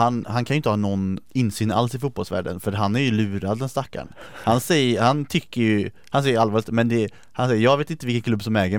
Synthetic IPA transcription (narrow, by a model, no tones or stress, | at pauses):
hanhankʰanjʏɪnt̪əhɑːnɔnːɪnːsyːna̰lsɪfuːt̪̚bɔlsvæ̰ːɖə̰nfœɾɦanæɾjɵlʉ̟ːɾad̪ːɛnst̪akːa̰ɳhansɛjəhant̪ʰʏkːəjɵ | hansɛjəəalvɑːlɪt̪mɛnd̪ɛ | hansɛjːəjɑːɡveːt̪ɪnt̪əvɪkənkʰlɵbːsɔmɛːɡə